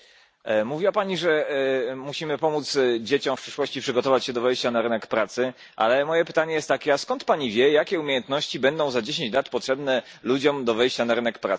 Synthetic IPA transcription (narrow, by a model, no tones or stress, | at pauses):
muvʲiwapaɲiʐɛmuɕimɘpɔmut̪sd͡ʑet͡ɕɔ̃w̃fpʂɘʂwɔɕt͡ɕipʂɘɡɔt̪ɔvat͡ɕɕɛd̪ɔvɛjɕt͡ɕanaɾɘnɛkpɾat̪sɘ | ʔa̰lɛmɔjɛpɘ̥t̪aɲɛjɛst̪ːakʲɛaskɔnt̪paɲivʲjɛjakʲɛumʲejɛnt̪nɔɕt͡ɕibɛnd̪ɔ̃w̃zad͡ʑeɕ̬ẽɲt͡ɕlat̪pɔtʂɛbnɛlud͡ʑɔmd̪ɔvɛjɕt͡ɕanaɾɘnɛkpɾa̰t̪s